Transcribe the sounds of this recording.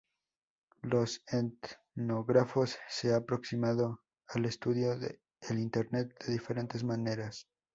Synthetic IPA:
lo̞set̪ | noɣɾafo̞sːe̞aːpɾo̞ksimaðo | ale̞st̪uðjo̞ðḛ | elint̪e̞ɾne̞t̪̚d̪e̞ðife̞ɾe̞nt̪e̞zmane̞ɾas

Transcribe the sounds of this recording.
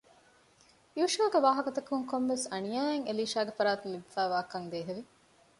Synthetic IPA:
iuʃɐːɡeʋaːɦɐkɐt̪ɐkuŋkomʋesɐnijaːeŋeliːʃaːɡefɐɾaːt̪umibifæːʋaːkɐŋd̪eːɦeʋi

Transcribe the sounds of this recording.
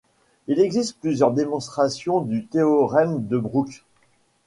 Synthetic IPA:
ilɛɡzist̪̚plyzjœʁd̪emɔ̃st̪χasjɔ̃d̪yt̪eɔʁɛmd̪əbʁuk

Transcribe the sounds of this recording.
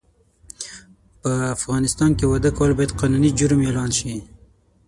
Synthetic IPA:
pəafɣɑnɪst̪ɑnkewad̪əkɑwlbɑjad̪qɑnunid͡ʒʊɾmelɑnʃi

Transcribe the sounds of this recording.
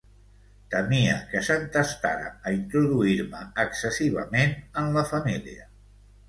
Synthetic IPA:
t̪əmiə̰kəsənt̪əst̪a̰ɾə̰ːint̪ɾuðuiɾməːksəsiβ̞ə̰menənləfəmiliə

